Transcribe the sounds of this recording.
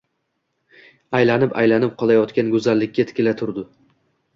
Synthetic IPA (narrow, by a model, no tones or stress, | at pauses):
ajlanɪpa̰jlanɪp̚qʰɒlˠajɒt̪kʲanɡɵzalːɪkʲːat̪ʰɪ̥kʲɪlat̪ʰʊɾd̪ɪ